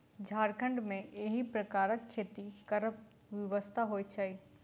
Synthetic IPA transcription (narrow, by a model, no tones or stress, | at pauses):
d͡ʑʱaːɾkʰə̃ɳɖmẽeɦipɾɐkaːɾəkːʰeːt̪ikɐɾəp | ʋjɐʋəst̪ʰaɦoːit͡ʃʰai